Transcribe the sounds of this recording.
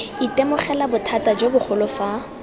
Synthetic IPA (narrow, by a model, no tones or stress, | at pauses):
itʼemʊχɛlabʊtʰatad͡ʒobʊχʰʊlʊfa